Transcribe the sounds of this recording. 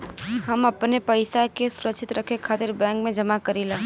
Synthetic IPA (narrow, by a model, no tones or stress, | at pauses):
ɦɐmɐpnepɐɪsakesʊɾətːʃʰɪt̪ɾɐkʰːekʰaːt̪ɪɾbɛ̃ːŋkmẽd͡ʒɐmakɐɾiːlaː